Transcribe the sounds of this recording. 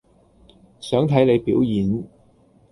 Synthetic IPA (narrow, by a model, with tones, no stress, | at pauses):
sœː˨˥ŋt̪ʰɐ˨˥jne˨˧jpiː˨˥wjiː˨˧n